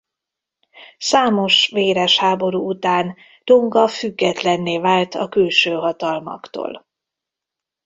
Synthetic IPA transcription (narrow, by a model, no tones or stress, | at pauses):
saːmo̞ʃveːɾɛʃhaːbo̞ɾuut̪aːn | d̪̥oŋɡɒfyɡːɛt̪lɛnːeːvaːlt̪ɒ̰kylʃøːɦɒt̪ɒlmɒ̰kt̪o̰ːl